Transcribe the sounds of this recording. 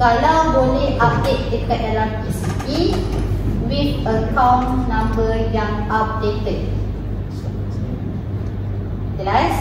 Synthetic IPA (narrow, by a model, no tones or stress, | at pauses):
kalawbolɛhap̚det̪̚dəkat̪̚dalamisit̪i | widəkãwnːãmbərjaŋap̚detət̚ | s | t̪əlas